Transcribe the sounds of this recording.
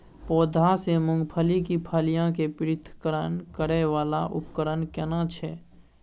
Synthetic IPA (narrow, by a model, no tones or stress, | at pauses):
pɔːd̪ʱasemʊ̃ŋɡpʰəlikipʰaːlijãkepɪɾɪt̪ʰkəɾənkəɾeʋaːlaʔʊ̰pkəɾənkɛnãt͡ʃʰɛ